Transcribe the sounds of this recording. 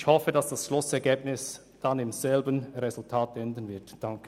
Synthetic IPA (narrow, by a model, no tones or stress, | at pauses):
çhɔfədɑsd̥asʃlʊsɛʁɡeːb̚nɪs | d̥anɪmz̥ɛlbənʁɛzʊltʰaːtɛndən̩vɪɐtd̥ɑŋkʰə